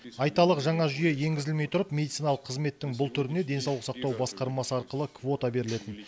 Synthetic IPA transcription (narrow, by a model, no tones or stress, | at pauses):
ɑjt̪ɑlˠəqʒɑɴɑʒʏje̞je̞ŋɡʲɪzɪlme̞jt̪ʰʊɾəpme̞d̪it̪sijnɑlˠəqʰːəzme̞t̪ːɪŋbʊlˠt̪ʰʏɾɪne̞d̪e̞nsɑwlˠəqsɑq̚t̪ɑwbɑsqɑɾmɑsəɑɾqəlˠəkvo̞t̪abe̞ɾɪle̞t̪ɪn